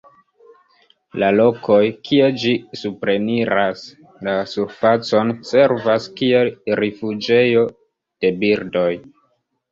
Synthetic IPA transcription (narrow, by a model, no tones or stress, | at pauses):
lalo̞ko̞jkʰied͡ʒisupɾe̞niɾas | lasuɾfat͡so̞nse̞ɾvaskielɾifud͡ʒe̞jo̞ | d̥e̞biɾdo̞j